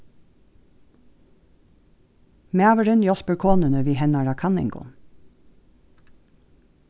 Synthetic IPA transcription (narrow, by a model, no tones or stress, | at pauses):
meɑːʋəɹənjɔspəɹkʰoːnənəʋiːhɛnɑɹɑkʰɑnɪ̰ŋɡʊ̰